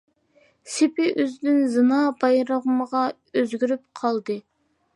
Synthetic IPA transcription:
sɪpɪʔyzd̪ɪnzɨnɑːbɑjɾəʁəməʁɑ | øzɡʲyɾyp̚qʰɑlˠd̪ɨ

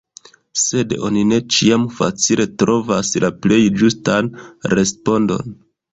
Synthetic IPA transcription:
se̞do̞̰nine̞t͡ʃiamfa̰t͡silʔe̞tɾʔo̞vaslʔaple̞jd͡ʒustanɾe̞spo̞ndo̞̰n

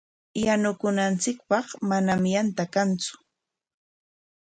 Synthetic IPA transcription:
janʊkʊnant͡sɪk̚pɑχmanamjant̪akant͡sʊ̥

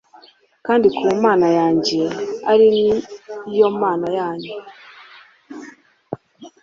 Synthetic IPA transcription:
kaːndikʰuːmaːnajaːɲɟe̞aɾinijo̞maːnajaːɲɟe

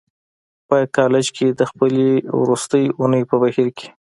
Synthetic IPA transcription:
pəkɑlɪd͡ʒkʰed̪əxpəlewɾust̪əjunəjpəbahiɾke̥

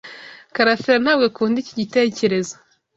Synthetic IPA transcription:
kaɾafeɾan̥aːbɡakuːndiciɟite̞ːce̞ɾe̞zo

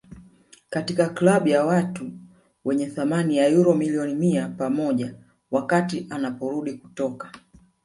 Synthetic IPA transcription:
katikaklaɓujawatu | wɛɲɛθamanijajuɾɔmiliɔnimiapamɔʄa | wakatiʔanapɔɾuɗiku̥tɔkḁ

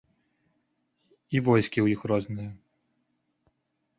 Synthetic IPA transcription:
ivɔjskʲiwjixrɔznɨjɐ

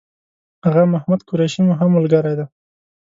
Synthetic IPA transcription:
haɣamahmad̪kʊɾajʃimʊɦamːʊlɡaɾajd̪a

